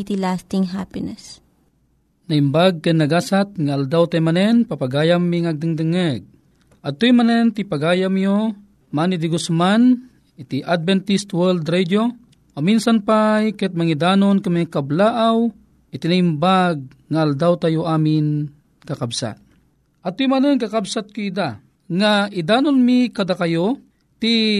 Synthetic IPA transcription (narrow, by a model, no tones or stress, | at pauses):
t̪ilast̪iŋɦapɪnɛs | nɐhimbaɡ̚kɐnɐɡaːsat̪̚ŋaald̪awt̪ajmanɛnpapaɡaːjamːiŋaɡ̚d̪ɨŋd̪əŋɛɡ̚ | ʔɐd̪̚t̪oimanɛnt̪ipaɡaːjamjo | manid̪iɡusman | it̪iʔad̪̚vɛnt̪ist̪wɛld̪ɾɛd̪o | ominsanpajkɛt̪̚mɐŋid̪aːnonkamikablaːʔaw | ɪt̪inaimbaɡ̚ | ŋaald̪awt̪ajoʔaːmɪn | kɐkabsa̰t̪̚ | ʔɐd̪̚t̪ːojmanəŋkakabsat̪̚kʊid̪a | ŋaʔid̪aːnonmikad̪akajo | t̪i